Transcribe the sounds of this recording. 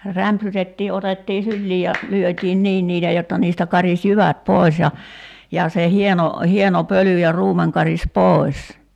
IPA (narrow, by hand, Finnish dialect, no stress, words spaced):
ræmpsytetːiː otetːiː sylːiː jɑ lyøtʲiːn niːn niːtæ jotːɑ niːstæ kɑris jyʋæt poˑis jɑ jɑ se hieno hieno pøly jɑ ruːmeŋ kɑris poˑi̞s